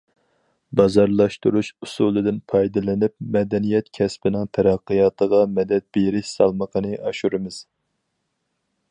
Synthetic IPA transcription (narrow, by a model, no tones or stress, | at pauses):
bɑzɑɾlˠɑʃt̪uɾuʃusulˠɨd̪ɪnpʰɑjd̪ɨlɪnɪp̚mɛd̪ɛnijɛt̪̚kʲʰɛspɪnɪŋt̪ʰɛɾɑqːɨjɑːt̪ʰəʁɑmɛd̪ɛt̪̚beɾɪʃsɑ̰lˠməqʰənɨʔɑʃuɾɨmɨz̥